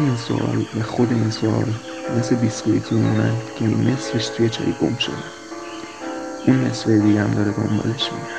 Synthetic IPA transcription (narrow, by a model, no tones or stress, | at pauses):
einso̰ʔɒ̰ːlvæxo̞d̪einsoʔɒ̰l | me̞sle̞biskuit̪ʰimimunæ̰nd̪̥cʰeinme̞sfeʃt̪ʰujet͡ʃʰɒ̰ːjiɡo̞̰mʃo̞̰d̪e | ʔunːe̞svejed̪iɟææmd̪ɒːɾed̪o̞̰mbɒ̰ːle̞ʃmḭe